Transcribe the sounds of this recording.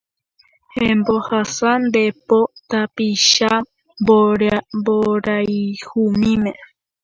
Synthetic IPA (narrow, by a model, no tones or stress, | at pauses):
hẽmbohasand̪epot̪apiʃa | boɾmboɾajhumĩmẽ